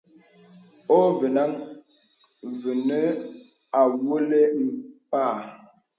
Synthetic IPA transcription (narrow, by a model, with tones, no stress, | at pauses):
o˦və˨na˦ŋ | və˨nə˦ | a˨wo˦le˦m̩˨paː˦˨